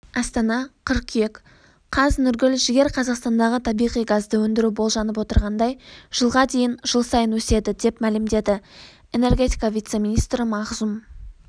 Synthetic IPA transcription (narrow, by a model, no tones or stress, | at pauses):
ɑst̪ɑnɑqʰəɾqʰijekʲ | qʰɑznʏɾɡʲɪlʒɪɡʲe̞ɾqʰɑzɑqst̪ɑnd̪ɑʁət̪ʰɑbijʁijɡɑzd̪əwɵnd̪ɪɾubo̞lˠʒɑnəp̬wo̞t̪əɾʁɑnd̪ɑjʒ̥əlˠʁɑd̪e̞jɪnʒ̥əlˠsɑjənwɵse̞d̪ɪd̪e̞pmælɪmd̪e̞d̪ɪ | ene̞rɡʲe̞t̪ijkɑvʲijt̪se̞mʲinʲist̪ɾəmɑʁzum